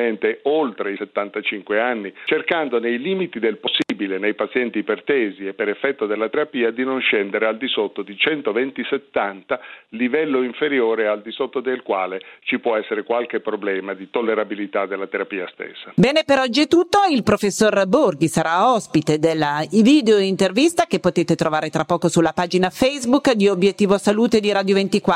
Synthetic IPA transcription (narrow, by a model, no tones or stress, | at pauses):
ent̪eolt̪ɾeiset̪ːant̪at͡ʃiŋkweanːit͡ʃerkand̪onejliːmit̪id̪elposːiːbilenejpat̪sjɛnt̪ipert̪ɛːziepːeɾefːɛt̪ːod̪elːat̪eɾapiːad̪inonʃɛnd̪eɾeald̪isot̪ːod̪it͡ʃɛnt̪ovɛnt̪iset̪ːant̪alivɛlːoiɱfeɾjoːɾeald̪isot̪ːod̪elkwa̰ːlet͡ʃipwɔɛsːeɾekwalk̟epːɾoblɛːmad̪it̪olːeɾabilit̪ad̪elːat̪eɾapiːast̪ḛsːabɛːnepeɾɔd͡ʒːiɛt̪ːut̪ːoilpɾofesːorborɡisaɾaɔspit̪ed̪elːavid̪eoint̪ervist̪ak̟epːot̪eːt̪et̪ɾovaːɾet̪ɾʔapːɔːkosulapaːd͡ʒinafɛjzbukd̪iobjet̪ːiːvosaluːt̪ed̪iɾaːd̪jovent̪ikwa